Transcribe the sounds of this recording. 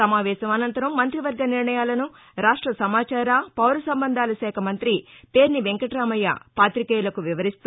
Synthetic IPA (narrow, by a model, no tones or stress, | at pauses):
sɐmaːʋɛːʃɐmɐnɐnt̪ɐɾɐmːɐnt̪ɾiʋɐɾɡɐniɾɳɐjaːlɐnu | ɾaːʂʈɾɐsɐmaːt͡ʃaːɾaːpɐwɾɐsɐmbɐnd̪ʱaːlɐʃɛːkʰɐmɐnt̪ɾipe̞ːɾniʋeŋkɐʈɾaːmɐja̰paːt̪ɾikɐːjlɐkuʋiʋɐɾist̪